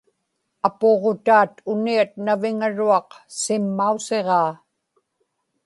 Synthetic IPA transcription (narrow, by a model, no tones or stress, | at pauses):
apoʁot̪aːt̪ʊniat̪̚navɪŋaɻuɑqsɪmːause̞ʁɑː